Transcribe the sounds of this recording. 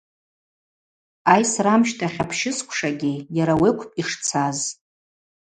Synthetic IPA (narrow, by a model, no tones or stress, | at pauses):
ajsramʃtʰaχʲapʰʃɪskʷʰʂaɡʲɪjaɾawekʷʰpʼiʂt͡sʰaz